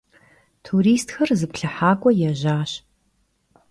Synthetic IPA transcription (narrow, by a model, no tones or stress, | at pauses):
tʰuɾiːstxɐrzɨpɬɐħaːkʷʼɔjɛʑaːɕ